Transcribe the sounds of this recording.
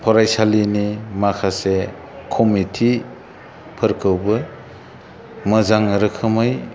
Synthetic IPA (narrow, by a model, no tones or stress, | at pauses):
pʰɔɾajsalinimakʰase | kʰɔmitʰi | pʰəɾkʰɯwbɯ | mɯzaŋɾɯkʰɯmɯj